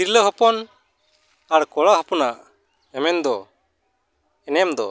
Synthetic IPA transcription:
iɾləɦɔpɔn | aɾkɔɭaɦɔpɔnaʔ | ɛmɛnd̪ɔ | ɛnɛmd̪ɔ

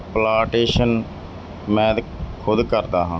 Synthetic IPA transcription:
plaːʈeːʃən | mɛ̃ːd̪ | kʰʊd̪kəɾd̪aːɦãː

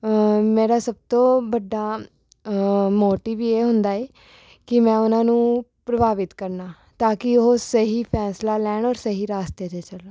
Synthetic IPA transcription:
meːɾaːsəb̚t̪õːbəɖːaː | moːʈiːʋiːeːɦʊnd̪aːɛː | kɪmɛ̃ːʊnãːnũːpɾəbʱaːʋɪt̪kəɾnaː | t̪aːkɪʊɦoːsəɦiːpʰɛːslaːlɛːɳɔːɾsəɦiːɾaːst̪eːd͡ʒ̪eːt͡ʃəlː

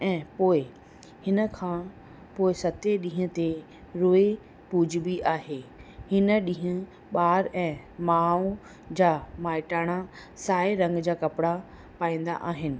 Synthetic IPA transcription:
ɛ̃ːpoːɪ | hɪnə̆kʰãː | poːɪsɐt̪eɗĩːɦʊ̃t̪e | ɾoːe | puːd͡ʑʱbiʔaːɦeːhɪnə̆ɗĩɦʊ̃ | ɓaːɾɛ̃ː | maːũ | d͡ʑaːmaːɪʈaːɽ̃a | saːeɾɐ̃ŋɡd͡ʑaːkɐpɪɽa | paːĩːn̆d̪a̰ʔaːɦɪnɪ̆

